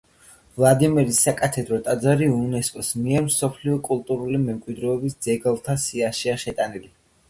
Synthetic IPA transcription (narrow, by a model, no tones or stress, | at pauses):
vlˠad̪imɛɾisːakʼat̪ʰɛd̪ɾɔt̪ʼad̪zaɾiunɛskʼɔsmiɛɾmsɔpʰliɔkʼulˠt̪ʼuɾulimɛmkʼwid̪ɾɛːbisd̪z̥ɛɡɛlˠt̪ʰasiaʃiaʃɛt̪ʼanili